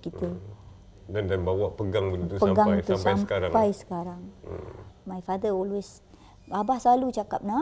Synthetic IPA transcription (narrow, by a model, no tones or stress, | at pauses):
kit̪ə | dandanbawaʔpəɡaŋbənt̪upəamɡaajsuamspajsəmkaɾaŋpajsə̥kaɾaŋ̰ | majfad̪əɔlwes | abahsalut͡ʃaka̰p̚na